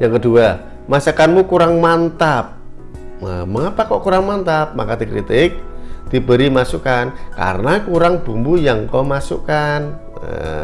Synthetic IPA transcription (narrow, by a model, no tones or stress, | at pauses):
jaŋkəd̪̥ua | masəkanmukuɾaŋmant̪ap̚ | əməŋapakɔʔkuɾaŋmant̪ap̚ma̰kad̪̥i̤kɾit̪ɪk̚d̪̥ibəɾimasukanka̰ɾənakuɾaŋb̥umbujaŋkɔmasṵkan̰